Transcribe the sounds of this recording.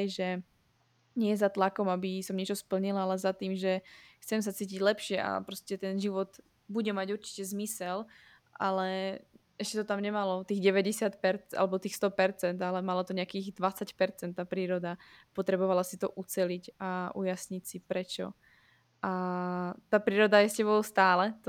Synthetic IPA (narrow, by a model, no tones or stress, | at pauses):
jʒɛ | ɲɪɛzat̪lakɔmabisɔmɲɪɛt͡ʃɔspl̩ɲilaalɛzat̪iːmʒɛxt͡sɛms̬at͡siːc̬iɟlɛpʃɪɛʔa̰pɾɔscɛt̪ɛnʒiʋɔd̪ | buɟɛmaɟuɾt͡ʃi̥cɛzmisɛl | ʔa̰lɛʔɛʃcɛt̪ɔt̪amɲɛmalɔt̪iːɣɟɛʋɛɟɛsɪat̪pɛɾt͡sa̰lɛbɔt̪iːxst̪ɔpɛɾt͡sɛnd̪alɛmalɔt̪ɔɲɛakiːɣd̪ʋat͡sacpɛɾt͡sɛnt̪ːaːpɾiːɾɔd̪apɔt̪ɾɛbɔʋalasit̪ɔʔut͡sɛlicaʔujasɲicsipɾɛt͡ʃɔ̰ | ʔa | t̪aːpɾiːɾɔd̪ajɛscɛbɔʊst̪aːlɛt̪